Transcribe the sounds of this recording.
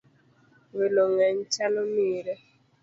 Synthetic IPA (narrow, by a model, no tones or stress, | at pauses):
wɪlɔŋɛɲ̩t͡ʃalomiːɾe